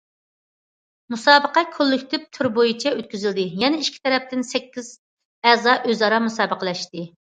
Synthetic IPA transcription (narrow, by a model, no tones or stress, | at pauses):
musɑːbəqɑkʲʰølːykʲt̪ʰɪp̚t̪ʰyɾbojit͡ʃʰɛøt̪̚kʲyzyld̪ɪjɛnɛiʃkʲʰi̥t̪ʰɛɾɛp̚t̪ɪnsɛkʲːiz̥ | ɛzɑʔøzɑɾɑmusɑːbəqʰəlˠɛʃt̪ɪ